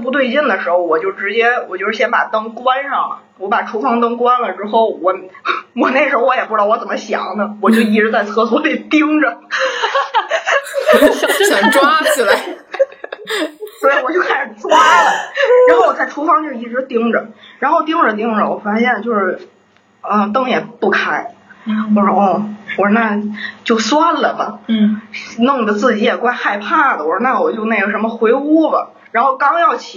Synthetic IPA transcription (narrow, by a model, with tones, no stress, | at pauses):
p̬u˧t̪̬we˥˧ɪt͡ɕi˥˩nd̪ə˩ʂɻ̩˧˥xo˧ʊwɔ˨˩t͡ɕjo˥˧ʊʂʈ͡ʂɻ̩˧˥t͡ɕjɛ˥wɔ˨˩t͡ɕjo˥˧ʊʂɻ̩˥˩ɕjɛ˥npa̰˨˩t̪ɤ˥ŋkwa˥nʂɑ˥˩ŋlə̰˩wɔ˧˥pa˨˩ʈ͡ʂʰu˥fɑ˥ŋt̪ɤ˥ŋkwa˥nlə˨ʈ͡ʂɻ̩˥xo˥˩ʊwɔ˨˩˥wɔ˨˩ne˥˩ʂɻ̩˧˥xo˧ʊwɔ˧˥jɛ˨˩pu˥ʈ͡ʂɻwt͡sə˨˩nmə˦ɕjɑ̰˨˩˦ŋnə˦˧wɔ˨˩t͡ɕjo˥˧ʊi˧˥˩ʈ͡ʂɻ̩˧˥t͡sa˥˧ɪt͡sʰɤ˥˧t͡sʰwɔ˥pe˥˩ɪt̪i˥ŋʈ͡ʂə˨˩˥ | ʈ͡ʂwl | swɔ˧˥i˨˧˩wɔ˨˩t͡ɕjo˥˧ʊkʰa˥ɪʂɻ̩˨˩ʂwa˥˩lə˩ɻa˧˥nxʊwɔ˨˩t͡sa˥˩ɪʈ͡ʂʰu˥fɑ˥ŋʈ͡ʂi˥˩˨i˧˥ʈ͡ʂɻ̩˧˥t̪i˥ŋʈ͡ʂə˨ɻa˧˥nxo˥˩ʊt̪i˥ŋʈ͡ʂə˨t̪̬i˥ŋʈ͡ʂə˨wɔ̰˨˩fa˥ɕjɛ˥˧nt͡ɕjo˥˧ʊʂɻ̩˥˩ | ə˥˧˩t̪ɤ˥ŋjɛ˨˩pu˥˩kʰa˥ɪwɔ˧˩ʂɔ˥ɔ˥˩wɔ˧˩˥na˥˩t͡ɕjo˥˩ʊswa˥nlə˨bə̰˩ | nʊ˥˩ŋd̪ə˩t͡sɹ̩˥˩t͡ɕi˧˥jɛ˨˩kwa˥ɪxa˥˧ɪpʰa˥˩d̪ə˩wɔ˧˩˥na˥˩wɔ˨˩t͡ɕjo˥˧ʊne˥˩ɡə˩ə˧˥mə˧xwe˧˥ɪu˥bə̰˨˩ | ɻa˧˥nxo˥˩ʊkɑ˥ŋjɑ˥˩ʊt͡ɕʰi˨